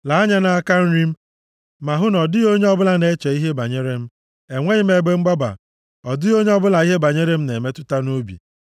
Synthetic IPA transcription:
la˨a˦ɲa˦na˦ka˦n̩˦ɾi˦m̩˦ | ma˨ɦʊ˦nɔ˨dɪ˦o˦ɲe˦ɔ˦bʊ˦la˦ne˦t͡ʃe˨i˦ɦe˦ba˨ɲe˦ɾe˦m̩˦ | e˨ŋʷe˦ɲi˦m̩˦e˨ɡ͡be˦ŋ͡m̩˦ɡ͡ba˦ba̰˨ | ɔ˨dɪ˦o˦ɲe˦ɔ˦bʊ˦la˨i˦ɦe˦ba˨ɲe˦ɾe˦m̩˦ne˨me˦tʊ˦ta˦no˦bḭ˨

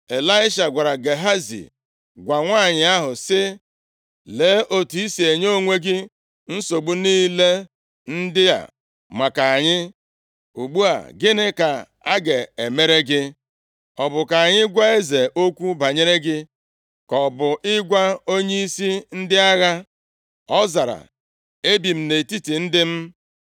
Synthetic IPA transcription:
e˨la˦ɪ˦ʃa˨ɡʷa˨ɾa˨ɡe˨ɦa˦zḭ˨ | ɡʷa˨ŋʷa˦˨ɲɪ˨a˦ɦʊ˨sɪ˦ | leː˨˦ʔo˨tu˨i˦si˨e˨ɲ˦o˦˨ŋʷe˦ɡɪ˦ | n̩˦so˨ɡ͡bu˦niː˦le˦ | n̩˦dɪ˦ja̰˨ | ma˨ka˨a˨ɲɪ˦ | u˨ɡ͡bu˦a̰˨ɡɪ˦nɪ˦ka˨ | a˦ɡe˨e˨me˦ɾe˦ɡɪ˦ | ɔ˨bʊ˨ka˨a˨ɲɪ˦ɡʷa˦e˦ze˨ʔo˦kʷu˦ba˨ɲe˦ɾe˦ɡɪ˦ | kɔ˨bʊ˨ʔɪ˦ɡʷa˦o˦ɲe˦i˦si˦n̩˦dɪ˦a˦ɣa˦ | ɔ˦za˨ɾa̰˨ | e˦bi˨m̩˦ne˨ti˦ti˨n̩˦dɪ˦m̩˦

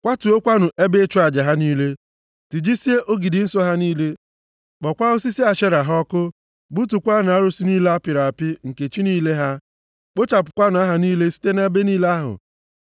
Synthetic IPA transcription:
kʷa˦tu˨o˦kʷa˦nʊ˨ʔe˦be˦t͡ʃʊ˦a˨d͡ʒa˨ɦa˦niː˦le˦ | ti˨d͡ʒi˦si˦e˦ʔo˦ɡi˨dɪ˨˦n̩˦sɔ˦ɦa˦niː˦le˦ | k͡pɔ˨kʷa˦o˦si˦si˦a˨ʃe˦ɾa˨ɦɔ˦kʊ˦ | bu˦tu˨kʷa˦na˨a˦ɾʊ˦si˦niː˦la˦pɪ˨ɾa˨pɪ˦ŋ̩˨ke˨t͡ʃi˦niː˦le˦ɦa˦ | k͡po˦t͡ʃa˨pʊ̥˨kʷa˦n˨˦a˦ɦa˨niː˦le˦si̥˦te˦na˦be˦niː˦le˦a˦ɦʊ̰˨

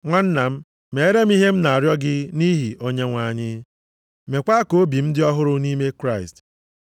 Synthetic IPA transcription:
ŋʷa˦n̩˦na˨m̩˦ | me˨e˦ɾe˦m˦i˦ɦe˦m̩˦na˨a˨ɾjɔ˦ɡɪ˦ni˦ɦi˨o˦ɲe˦ŋʷa˨ɲɪ˦ | me˨kʷa˦ko˦o˦bi˨m̩˦dɪ˦ɔ˦ɦʊ˦ɾʊ˦ni˦me˦kɾa˦˨ɪ˨st

